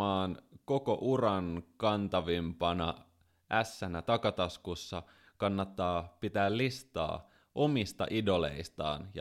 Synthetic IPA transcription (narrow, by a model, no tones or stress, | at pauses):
ɑːnko̞ko̞ʔurɑnkɑnt̪ɑʋimpɑnɑ̰ | ʔæsːænæt̪ɑkɑt̪ɑskusːɑ | kɑnːɑt̪ːɑːpit̪æːllist̪ɑ̰ː | ʔo̞mist̪ɑ̰ʔido̞lḛist̪ɑ̰ːnjɑ